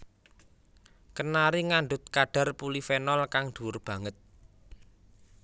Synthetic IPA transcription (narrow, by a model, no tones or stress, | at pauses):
kənaɾiŋaɳɖʊt̪̚kaɖ̥a̤rpulifenɔlkaŋd̪̥ṳʊrb̥ä̤ŋət̪̚